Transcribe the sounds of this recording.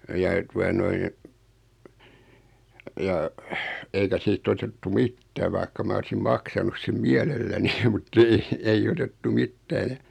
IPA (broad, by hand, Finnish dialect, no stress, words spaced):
jɑ tuɑ noin jɑ eikæ siːt otetːu mitːæː ʋɑikːɑ mɑ olsim mɑksɑnus sem miɛlelːæni mutː ei eij otetːu mitːæː jɑ